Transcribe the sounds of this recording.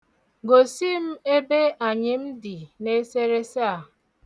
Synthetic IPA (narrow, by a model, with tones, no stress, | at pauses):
ɡo˨si˦m̩˦e˦be˦a˨ɲɪ˨m̩˦di˨ne˦se˦ɾe˦sa˦˨